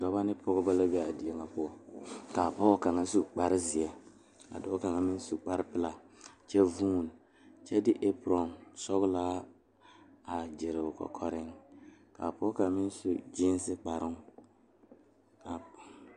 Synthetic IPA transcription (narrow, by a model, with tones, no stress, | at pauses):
dɔ˨ba˦nɪ˦pʊ˦ɣʊ˦ba˦la˦bɛ˦a˨di˨ɛ˦ŋa˦pʊ˦ɔ˨ka˨pɔ˦ka˨ŋa˦su˨k͡pa˨ɾɪ˦zɪ˨ɛ˦ | a̰˨dɔ˦ka˨ŋa˨mɪ˦n˦su˨k͡pa˦ɾɪ˦pɪ˦la˨t͡ʃɛ˦vuː˦˨n˨ | t͡ʃɛ˦dɪ˦ʔe˦pɾɔ˨nsɔ˦ɣlaː˦ | a˨d͡ʒɪ˨ɾɪ˨ʊ˨kɔ̰˨kʰɔ˨ɾɪ˦ŋka̰˨pɔ˦ka˨˦mɪ˦n˦su˨d͡ʒi˦n˦sɪ˦k͡pa˨ɾɪ˦ŋ | a˨